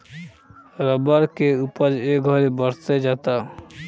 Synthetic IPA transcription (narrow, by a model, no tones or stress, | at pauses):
ɾɔbaɾkeupad͡ʒeɡʱɔɾebɔɾt̪ed͡ʑat̪a